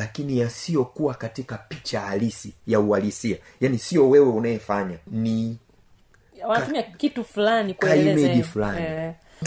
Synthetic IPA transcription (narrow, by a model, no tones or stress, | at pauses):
lakinijasijɔkuwakatikapit͡ʃahalisijaualisia | janisiɔwɛwɛunajɛfaɲani | waumiakitufulanikwaimɛɗifulani